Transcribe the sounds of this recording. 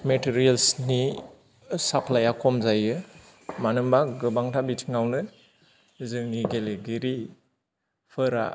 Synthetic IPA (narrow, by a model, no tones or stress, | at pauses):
metiɾijelsni | sapʰlajakʰɔmzajɯ | manɯmbaɡɯbaŋtʰabitʰiŋawnɯ | zɯŋniɡeleɡiɾi | pʰɯɾa̰